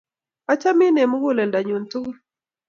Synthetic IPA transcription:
a˦t͡ʃa˦mɪ˦ne˨mʊ˦ɡo˦lɛ˨nda˨ɲo˨ntu˦ɡ

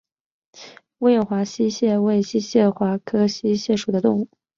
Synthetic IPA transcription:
we˥˩jɛ˨˩xwa˧˥ɕi˥ɕjɛ˥˩˧we˥˩ɪɕi˥ɕjɛ˥˩xwa˧˥kʰɤ˥ɕi˥ɕjɛ˥˩ʂu˨˩d̪ə˦t̪ʊ˥˧ŋu˥˩

